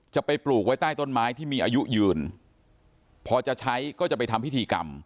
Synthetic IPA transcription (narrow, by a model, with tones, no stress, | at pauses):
t͡ɕa˨˩pa˧jpluː˨˩k̚wa˦˥jt̪aː˥˩jt̪o˥˩nmaː˦˥jt̪ʰiː˥˩miː˧ʔaː˧ju˦˥jɯː˨˧˩n | pʰɔː˧t͡ɕa˨˩ʔt͡ɕʰa˦˥jkɔː˥˩t͡ɕa˨˩pa˧jt̪ʰa˧mpʰi˥t̪ʰiː˧ka̰˧m